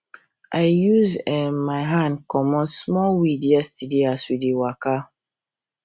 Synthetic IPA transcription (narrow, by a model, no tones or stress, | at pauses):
ʔaɪjuzɛmaɪɦãnkɔmɔ̃smɔlwidiastidiaswidiwaka